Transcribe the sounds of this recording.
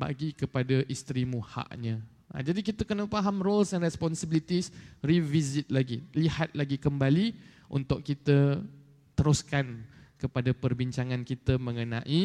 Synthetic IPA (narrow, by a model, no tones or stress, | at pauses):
ba̰ɡikəpadaʔist̪ɾimuha̰ʔɲə̃ | ʔa̰d͡ʒadikit̪əkənəfaɦamrolsanɾɛspɔnsəbilit̪isrivizɪt̪̚laɡilihat̪̚laɡikəmbali | ʔṵnt̪ʊʔkit̪ə | t̪əɾuskankəpadapərbiɲt͡ʃaŋãnkit̪əmə̃ŋənãʔi